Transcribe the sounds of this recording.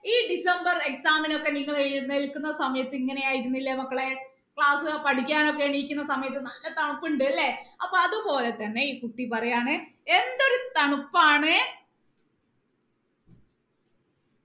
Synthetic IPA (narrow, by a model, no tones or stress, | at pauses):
iːɖisɐmbɐre̞ksaːmino̞kːe̞niŋːɐɭeiɾnːelkːunːɐsɐmɐjɐt̪ːɨiŋːɐne̞jaːjiɾunːilːɐmɐkːɐɭe̞ | kɭaːsɨɐpɐʈikʲːaːno̞kːe̞ɳiːikʲːunːɐsɐmɐjɐt̪ːɨnɐlːɐt̪ɐɳupːuɳɖɨɐlːeɐpːoɐðupo̞ːle̞t̪ɐnːe̞iːkuʈːipɐrɐjaːɳɨe̞nd̪o̞ɾut̪ɐɳupːaːɳɨ